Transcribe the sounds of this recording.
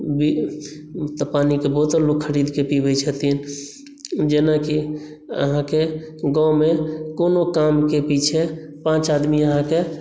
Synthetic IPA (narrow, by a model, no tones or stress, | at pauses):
bi | t̪ɔpanikebɔɦut̪lokkʰːəɾid̪kepibɛt͡ʃʰət̪in | d͡ʒenaki | ə̰ɦãkeɡãmekonokamkepit͡ʃʰe | pãt͡ʃad̪miəɦãke